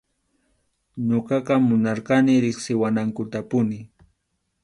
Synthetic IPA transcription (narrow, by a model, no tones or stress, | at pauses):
ɲoqɑqɑmʊnɑɾqɑnɪɾɪχsɪwanaŋkʊt̪apʊnɪ